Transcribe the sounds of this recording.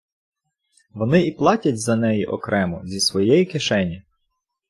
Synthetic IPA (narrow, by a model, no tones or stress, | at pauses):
ʋɔnɪiplˠɑtʲɐtʲzɐnɛjiʔɔkɾɛmɔzʲisʋɔjɛjikeʃɛnʲi